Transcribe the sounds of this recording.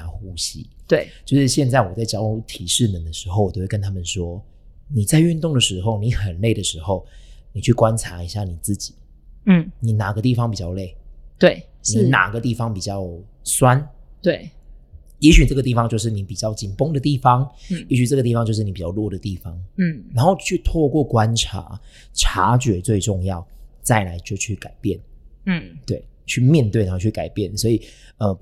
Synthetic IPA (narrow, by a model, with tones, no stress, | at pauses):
a˧˥xu˥ɕḭ˦t̪we˥˩ɪt͡ɕjo˥˧ʊʂɻ̩˥˧ɕjɛ˥˧nt͡sa˥˩ɪwɔ˨˩t͡sa˥˩ɪt͡ɕjɑ˥ʊu˥t̪ʰi˨˩ʂɻ̩˥˩mə˨˩nd̪ə˨˩ʂɻ̩˧˥xo˥˩ʊwɔ˨˩o˥˧we˥˩kə˦nt̪ʰa˥mə˨nʂwɔ˦˥ | ni˨˩t͡sa˥˧ɪy˥˧nt̪ʊ˥˩ŋd̪ə˩ʂɻ̩˧˥xo˥˨˩ʊni˨˧˥xə˨˩nle˥˩ɪd̪ə˩ʂɻ̩˧˥xo˥˩ʊni˨˩t͡ɕʰy˥˩kwa˦nt͡sʰa˧˥i˧˥ɕja˥˩ni˨˩t͡sɹ̩˥˩t͡ɕi̥˨˩˦ | ni˨˦na˨˩ɡə˦t̪i˥˩fɑ˧˦ŋpi˨˩t͡ɕjɑ˥˧ʊle˥˩ɪt̪we˥˩ɪ | ni˨˥˧na̰˨˩ɡə˦t̪i˥˩fɑ˧˦ŋpi˨˩t͡ɕjɑ˥˩ʊswa˦nt̪we˥˩ɪ | jɛ˧˥ɕy˨˩ʈ͡ʂɤ˥˩ɡə˩i˥˩fɑ˦ŋt͡ɕjo˥˧ʊʂ̬ɻ̩˥˩ni˧˦pi˨˩t͡ɕjɑ˥˩ʊt͡ɕi˨˩npo˥ŋd̪ə˨t̪i˥˩fɑ˧˦ŋjɛ˧˦˥ɕy˨˩ʈ͡ʂɤ˥˩ɡət̪i˥˩fɑ˧˦ŋt͡ɕjʂɻ̩˥˩ni˨˥pi˨t͡ɕjɑ˥˧ʊlwɔ˥˩d̪ə˩t̪i˥˩fɑ˧˩ŋ̩˥˩ɻa˧nxo˥˧ʊt͡ɕʰy˥˧t̪ʰwɔ˥˧kwɔ˥˩kwa˦nʈ͡ʂʰa̰˧˦ | ʈ͡ʂʰa̰˧˥t͡ɕɥɛ˨˥t͡swe˥˧ɪʈ͡ʂʊ˥˧ŋjɑ˥˩ʊt͡sa˥˩ɪla˧˦ɪt͡ɕjo˥˧ʊt͡ɕʰy˥˩ka˨˩ɪpjɛ˥˨˩n̩˥˩ | t̪we˥˩ɪt͡ɕʰy˥˨mjɛ˥˧nt̪we˥˩na˧˦˥t͡ɕʰy˥˩ka˨˩ɪpjɛ˥˩nswɔ˧˥i˨˩ə˧